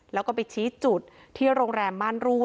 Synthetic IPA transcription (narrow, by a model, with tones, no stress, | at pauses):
lɛ˦˥wkɔː˥˩pa˧jt͡ɕʰiː˦˥t͡ɕu˨˩t̪̚ʰːiː˥˩ɾoː˧ŋɾɛː˧mːaː˥˩nɾu˥˩